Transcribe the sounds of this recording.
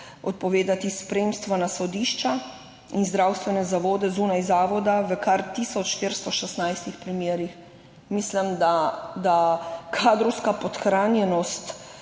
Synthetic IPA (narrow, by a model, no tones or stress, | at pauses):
ɔ̰t̪̚pɔʋeːd̪at̪ispɾemst̪ʋanasɔd̪iʃt͡ʃa | inzd̪ɾawst̪ʋɛnɛzaʋoːd̪ɛzunajzaːʋɔd̪aʋəkaɾt̪isɔt͡ʃʃt̪iɾst̪ɔʃɛsnajst̪ixpɾimjeːɾix | mislɛmd̪ad̪akʰaːd̪ɾɔwskapɔt̪xɾaːnjɛnɔst̪